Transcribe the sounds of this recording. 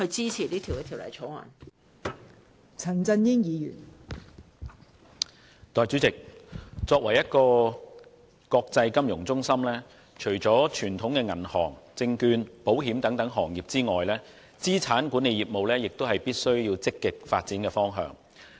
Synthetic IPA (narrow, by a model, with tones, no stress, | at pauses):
kʰɵ˧t͡siː˥t͡sʰi˨˩liː˥t̪ʰwkɛ˧t̪ʰi˨wlɐ̰˨˩jt͡ʃʰo˨˥wŋɐ̰˨˩n | t͡sʰɐ˨˩nt͡sɐ˧njɪ˥ŋjiː˨˧jy̰ː˨˩n | t̪ɔː˨˩jt͡syː˨˥t͡sɪ˨k̚t͡sɔː˧kwɐ˨˩jɐ˥t̚kɔː˧ | kɔː˧k̚t͡sɐ˧jkɐ˥mjʊ˨˩ŋt͡sʊ˥ŋsɐ˥mlɛː˥ | t͡ʃʰɵ˨˩ɥt͡sɔː˨˥t͡ʃʰyː˨˩nt̪ʰʊ˨˥ŋkɛː˧ŋɐ˨˩nhɔː˨˩ŋt͡sɪ˧ŋkyː˧npo˨˥wɦi˨˥mt̪ɐ˨˥ŋt̪ɐ˨˥ŋɦɔː˨˩ŋjiː˨p̚t͡siː˥ŋɔː˨jlɛː˥ | t͡siː˥t͡sʰaː˨˥nkuː˨˥ne˨˧jiː˨˩mo˨wlɛː˥jɪ˨k̚t̪o˥wɦɐ˨jpiː˥t̚sɵ˥ɥjiː˧wt͡sɪ˥kːɪ˨k̚faː˧t̚t͡siː˨˥nkɛː˧fɔː˥ŋɦœ̰ː˨ŋ